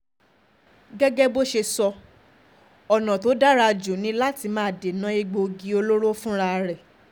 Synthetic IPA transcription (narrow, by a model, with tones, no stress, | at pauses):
ɡɛ˦ɡɛ˦bo˦ʃe˧sɔ˧ | ɔ˨nã˨to˨˦da˦ɾa˧d͡ʒu˨nĩ˧˦la˦ti˧mãː˨˦˨de˨nã˦i˦ɡ͡bo˧ɡi˧˦o˧lo˦ɾo˦fũ˦ɾa˧ɾɛ˨